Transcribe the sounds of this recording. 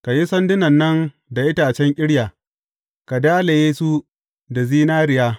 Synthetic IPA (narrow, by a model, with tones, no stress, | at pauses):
ka˨ji˦sɐ˦ndɪ˦nɐ˨nːɐ˦n | da˨ʔɪ˦taː˨t͡ʃɛ˦ŋkʲʼɪ˦ɽjaː˨ | ka˨daː˦le˨jeː˦su˦ | da˨ziː˦naː˦ɾɪ˨jaː˦